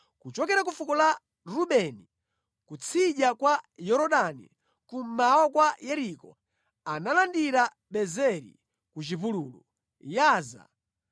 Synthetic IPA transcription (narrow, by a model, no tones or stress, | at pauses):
kut͡ʃɔkɛɾak̬ufukɔla | ɾuɓɛni | kut͡sʰiɗakwajɔɾɔɗanḭ | kumawɔkwajɛɾikɔ | analandiɾa | ɓɛzɛɾḭ | kut͡ʃivuluːlṵ | jaːza̰